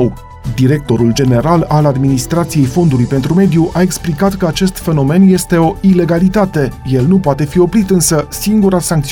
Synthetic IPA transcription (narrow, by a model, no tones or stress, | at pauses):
d̪iɾe̞k̚t̪o̞ɾuld͡ʒe̞ne̞ɾalalad̪minist̪ɾat̪sije̞jfo̞nd̪ulujpe̞nt̪ɾume̞d̪juʔae̞ksplikat̪kəat͡ʃe̞st̪fe̞no̞me̞nje̞st̪e̞o̞ile̞ɡalit̪at̪e̞je̞lnupoat̪e̞fio̞pɾit̪ɨnsəsiŋɡuɾasaŋk̚t̪s